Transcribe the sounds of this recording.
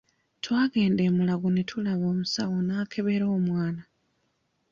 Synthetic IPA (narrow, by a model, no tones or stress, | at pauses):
twaːɡe̞ːnde̞ːmulaɡunetʰulaβo̞ːmusawonaːkʰe̞βe̞ɾo̞ːmwaːna